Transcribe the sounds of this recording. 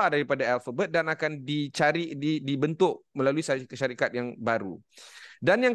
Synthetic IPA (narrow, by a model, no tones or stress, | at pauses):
adaɾipadaalfabət̪̚danakandit͡ʃaɾiʔdidibənt̪ʊk̚mə̃laluisaʃaɾikat̪̚jaŋbaɾṵ | danjaŋ